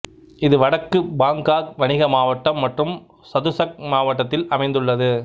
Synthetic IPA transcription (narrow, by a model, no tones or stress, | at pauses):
ɪðɯʋɐɽɐkːɯbaːŋɡaːk̚ʋɐnɪɣɐmaːʋɐʈːɐmːɐʈrɯm | sɐðɯsɐk̚maːʋɐʈːɐt̪ːɪlɐmɐɪnd̪ɯɭːɐðɯ